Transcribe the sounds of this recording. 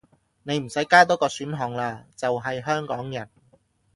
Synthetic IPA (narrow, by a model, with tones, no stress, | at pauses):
ne˨˧jm̩˨˩sɐ˨˥jkaː˥t̪̬ɔː˥kɔː˧syː˨˥nɦɔː˨˩ŋlaː˧t͡sɐ˨wɦɐ˨jɦœː˥ŋkɔː˨˥ŋjɐ˨˩n